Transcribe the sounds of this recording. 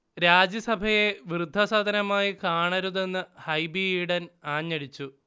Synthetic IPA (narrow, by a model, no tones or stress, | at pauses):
ɾaːd͡ʑjɐsɐbʱɐje̞ʋirɨd̪ʱːɐsaːd̪ʱɐnɐmaːjikaːɳɐɾuðe̞nːɨhɐjbiiɽɐnaːɲːɐɽit͡ɕːu